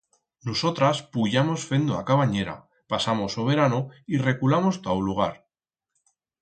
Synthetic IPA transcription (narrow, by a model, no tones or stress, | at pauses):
noso̞t̪ɾaspuʝamo̞sfe̞nd̪oakaβaɲe̞ɾa̰ | pasamo̞so̞β̞e̞ɾanoire̞kulamo̞st̪awuluɣ̞aɾ